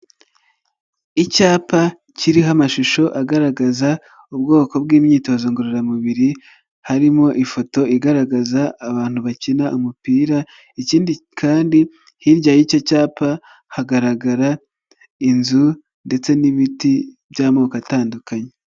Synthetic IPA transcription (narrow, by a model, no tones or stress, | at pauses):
icaːpa | ciɾiɦamaʃuʃo̞ʔaɡaɾaɡaza | ubɡo̞ːko̞bɡiːmɲiːto̞zoŋɡuɾoɾamuβiɾi | haɾimo̞ʔifo̞to̞iɡaɾaɡazaːβaːn̥huβacinaʔumupiːɾa | iciːndikʰaːndi | hiɾɟajico̞caːpa | haɡaɾaɡaɾa | inzu | nde̞t͡se̞niβiti | bjaːmoːkataːndukaɲe